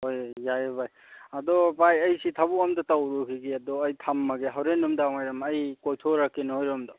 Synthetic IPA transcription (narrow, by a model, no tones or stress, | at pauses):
hojːajbaj | ad̪ɔpajɐjsitʰabuamdɐtawɾukʰiɡiadɔːjtʰamːaɡeɦawɾenumdamajɾɔmɐjkojtʰoɾakːenhojɾɔmdɔ